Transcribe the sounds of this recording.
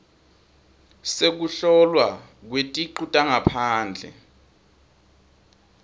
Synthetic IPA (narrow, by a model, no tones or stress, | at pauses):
sek̬uɬɔlwa | k̬wetʼiǃutʼaŋapʰaːnd͡ɮʱɛ̰